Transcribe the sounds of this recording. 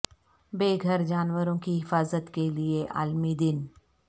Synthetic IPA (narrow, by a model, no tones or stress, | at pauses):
beːɡʱəɾd͡ʒaːnwəɾõkiɦɪfaːzət̪kelieʔa̰ːlmid̪ɪn